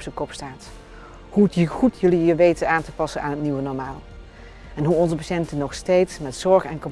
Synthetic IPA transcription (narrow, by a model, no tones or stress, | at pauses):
psəkɔpstaːt | huətjəχutjɵlijəʋejtənaːntəpɑsəna̰ːnɦətniʋənɔɹmaːlˠ | ɛnɦuɔnzəpaʃɛntənɔχstejtsmɛtsɔɹχɛnkɔm